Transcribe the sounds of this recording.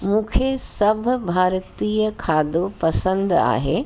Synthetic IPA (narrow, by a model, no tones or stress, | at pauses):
mũːkʰesɐbʱʊ̆bʱaːɾt̪iːəkʰaːd̪opɐsə̃nd̪a̰ːɦe